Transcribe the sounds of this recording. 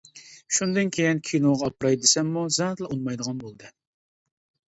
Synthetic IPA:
ʃund̪ɨnkʲʰejinkʲʰinoʁɑːpɾɑjd̪ɪsɛmːuzɛt̪lˠɑunmɑjd̪əʁɑnbolˠd̪ɨ

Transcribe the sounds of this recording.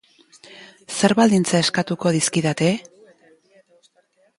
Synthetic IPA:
se̞ɾβald̪int͡sae̞skat̪uko̞ð̞iskiðat̪e̞

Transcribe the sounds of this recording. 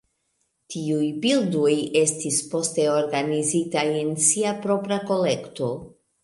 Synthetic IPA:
tiujbildoje̞stispo̞ste̞o̞ɾɡanizitaje̞nsiapɾo̞pɾako̞le̞kto̞

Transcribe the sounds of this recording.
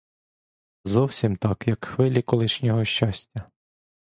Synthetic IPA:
zɔwsʲimt̪ɑkjɐkxʋɪlʲikɔlˠɪʃnʲɔɦɔʃʲt͡ʃasʲtʲːɐ

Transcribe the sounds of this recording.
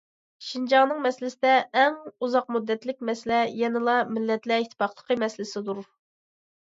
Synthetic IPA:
ʃind͡ʒɑŋnɨŋmɛsɪlɪsɪd̪ɛːŋuzɑq̚mud̪ːɛt̪lɪk̚ʲmɛsɪlɛjɛnɪlˠɑmɪlːɛt̪lɛɪt̪ʰːɪ̥pɑχlˠə̥qʰəmɛslɪsɪd̪uɾ

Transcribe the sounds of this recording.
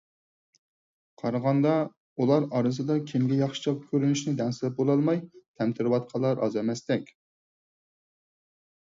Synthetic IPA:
qʰɑɾɑʁɑnd̪ɑ | ulˠɑɾɑɾɨzɨd̪ɑkʲʰɪmɡʲɛjɑχʃɪ̥t͡ʃʰɑkʲʰøɾynyʃnɪd̪ɛnsɪlɛp̚bolˠɑlˠmɑjt̪ʰɛmt̪ʰɪɾɪwɑt̪̚qʰɑlˠːɑɾʔɑ̰zɛmɛst̪ɛkʲ

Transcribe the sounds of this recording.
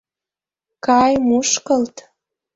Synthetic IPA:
kɑjmuʃkəlt̪

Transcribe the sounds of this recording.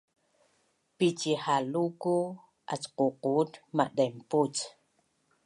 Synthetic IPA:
pit͡ʃihaluku | ʔa̰t͡ʃququːt̪maʔɗemput͡s

